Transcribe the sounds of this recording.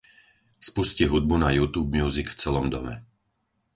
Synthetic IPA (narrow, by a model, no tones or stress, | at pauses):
spusciɦud̪̚bunajuːt̪uːb̚mjuːzikft͡sɛlɔmd̪ɔmɛ̰